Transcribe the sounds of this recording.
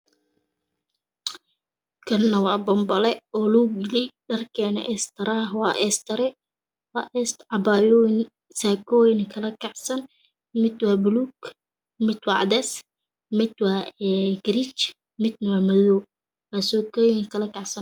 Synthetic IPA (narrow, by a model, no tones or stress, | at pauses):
kʰɐnːɐwɑːbɔmbɐlɛɔːluːɡɪlɪjɖɐrkʰɛːnɐ̰ʔɛːst̪ʰɐɾaːɦwɑːʔɛst̪ɐɾɛ | waʔɛst̪ʕɑbajɔn | saːkʰɔːjnkʰɐlɐkʰɑʕsɐn | mɪd̪waːbluːk | mɪd̪wɑʕd̪ɛːs | mɪd̪waːɡɾit͡ʃ | mɪd̪nɐwaːmɐðɔː | wasɔːkɔjɪnkʰɐlɐkʰɑʕsɐn